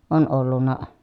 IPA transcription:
on olːunːɑ

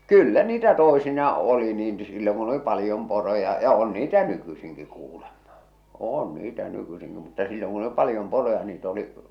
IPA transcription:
kylːæ niːtæ toˑisinɑː ʔoli niːn silːoŋ kun oli pɑlĭjom porojɑ jɑ on niːtæ nykysiŋki kuːlemm̥ɑ̥ oːn niːtæ nykysiŋki mutːɑ silːoŋ kun ə̆li pɑljom porojɑ niːt oli

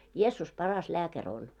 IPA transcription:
jeːsːus pɑrɑs læːkær on

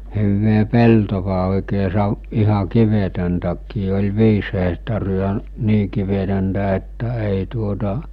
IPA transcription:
huʋːe peltoʋɑ oˑikeː sɑʋ ihɑ kiʋetøntækːiː olʲ ʋiːs hehtɑriɑ niː kiʋetøntæ etːæ eˑi tuotɑ

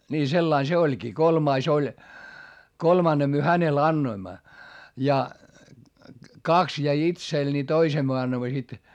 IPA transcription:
niː selːɑin se olʲkiː kolmɑis olʲ kolmɑnːe myø hænel ɑnːoimːɑ jɑ kɑks jæi itsel ni toisem myø ɑnːoĭmːɑ sit

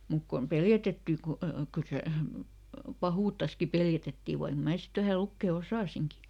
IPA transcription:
muk kom peljætetːiˑ ku kyl se pɑhuːtːɑski peljætetːiˑ ʋɑik mæː sit ʋæhæ lukːeˑ osɑˑsiŋki

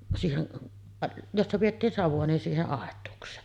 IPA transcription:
siːhen josːɑ pij̆etːiːn sɑʋuɑ nin siːheʔ ʔɑˑetˑuːksˑeːn

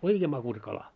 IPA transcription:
oikeː mɑkusɑ̆ kɑlɑ

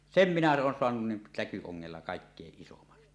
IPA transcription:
sem minæ oːn soɑnun nin tækyoŋːelːɑ kɑˑikːeːʔ ʔisomɑn

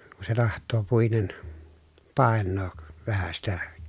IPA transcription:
ku se tɑhtˑoː puinen pɑˑenːoːk ʋæhæ sitæ

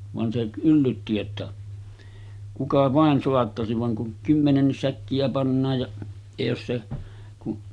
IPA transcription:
ʋɑn se ylːytːi etːæ kukɑ ʋɑˑen soɑtːɑsiʋ ʋɑŋ kuŋ kymːenenːis sækːiæ pɑnːɑːj jɑ jɑ jos se kuʔ

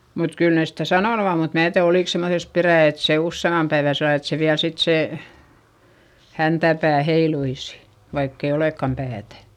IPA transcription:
mut kyl neˑs stæ sɑnoˑnu om mut mæː tiæð oliˑk semːoses peræˑ et se usːeimːɑm pæeʋæ selːɑl et se ʋiæl sit seˑ hæntæpæː heiluisi̥ ʋɑikː e oleˑkːɑm pæːtæ

